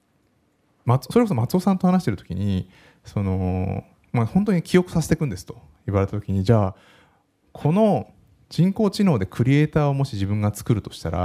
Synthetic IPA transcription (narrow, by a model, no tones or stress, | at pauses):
mat͡sso̞ɾekos̬omat͡sɨo̞sãnt̪o̞hanaɕi̥t̪e̞ɾ̟t̪o̞kʲḭɲ̟i | so̞no̞ | mahõnt̪o̞ɲ̟ikʲijo̞kɯ̟sase̞t̪ekɯ̃nd̪e̞sɨ̥t̪o̞̥ | iβaɾe̞t̪at̪o̞kʲiɲ̟id͡ʑaː | kʰo̞no̞ | d͡ʑĩŋko̞ːt͡ɕino̞ːd̪e̞kʰɯ̟ɾʲie̞ːt̪aːo̞mo̞ɕiʑibɯ̃ŋɡat͡sɨ̥kɯ̟ɾɯ̟t̪o̞̥ɕi̥t̪aɾa̰